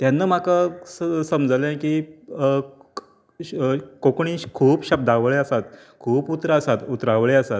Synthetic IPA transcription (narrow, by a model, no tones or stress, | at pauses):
t̪janːəm̤akəsəmd͡zəlɛ̃kiː | kokɳĩɕkʰuːpɕəb̚d̪ʱaʋɭeəsat̪̚ | kʰuːput̪ɾəəsat̪ut̪ɾaʋɭeəsat̪̚